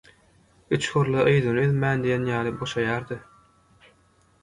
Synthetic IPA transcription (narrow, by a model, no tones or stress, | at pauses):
yt͡ʃxuɾlˠɑʔɯjd̪ɯnɯeðmæːnd̪ijenjɑːlˠɯboʃɑjɑːɾd̪ɯ